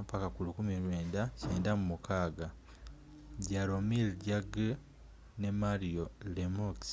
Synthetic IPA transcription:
pakakulukumilwe̞ːndaceːndamumukʰaːɡa | ɟalomilɟaɡe | ne̞maɾiolemoks

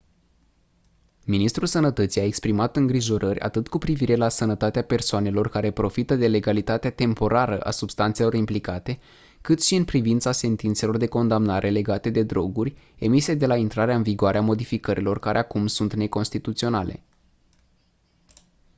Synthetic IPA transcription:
minist̪ɾulsənət̪ət̪sijaekspɾimat̪ɨŋɡɾiʒo̞ɾʔərʲʔa̰t̪ɨt̪kupɾiviɾe̞lasənət̪at̪eape̞rsoane̞lo̞rkaɾe̞pɾo̞fit̪əd̪e̞le̞ɡalit̪at̪eat̪e̞mpo̞ɾaɾəʔa̰subst̪ant̪se̞lo̞ɾimplikat̪e̞ | kɨt̪ʃiɨnpɾivint̪sase̞nt̪int̪se̞lo̞rd̪e̞ko̞nd̪amnaɾʔe̞le̞ɡat̪e̞d̪e̞d̪ɾo̞ɡurʲ | e̞mised̪e̞laint̪ɾaɾeaɨnviɡoaɾeamo̞d̪ifikəɾʔilo̞rkaɾeakumsunt̪ne̞ko̞nst̪it̪ut̪sio̞nalʔe̞̰

